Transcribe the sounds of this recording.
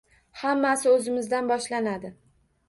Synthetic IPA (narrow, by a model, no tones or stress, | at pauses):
hamːasɪɵzɪmɪzd̪anbɒʃlanad̪ɪ